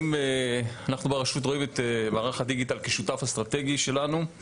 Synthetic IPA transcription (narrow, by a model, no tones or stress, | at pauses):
meanaχnubeʁaʃut̬ʁo̞imet̪emaːʁaχad̪iɡit̪alkeʃutafhast̪ʁate̞ɡiʃe̞lanu